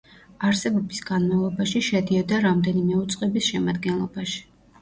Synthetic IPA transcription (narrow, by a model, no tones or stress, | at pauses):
aɾsɛbɔbisɡ̥anmavlˠɔbaʃiʃɛd̪iɔd̪aɾamd̪ɛnimɛut̪sʼqʼɛbisʃɛmad̪ɡɛnlˠɔbaʃi̥